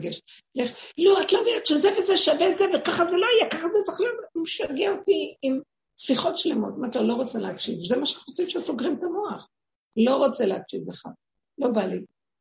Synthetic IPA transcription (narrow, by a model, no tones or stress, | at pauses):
ɡeʃ | leχloatlomiatt͡ʃezevezeʃavezevekaχazelo̞ajekaχazet͡saχlomʃaɡeaotiim | siχo̞tʃle̞mo̞t̪imatalo̞ʁot͡seleakʃivzemaʃeosifʃeasoɡʁimkamoaχ | lo̞ʁot͡seleakʃivbeχa | lo̞bali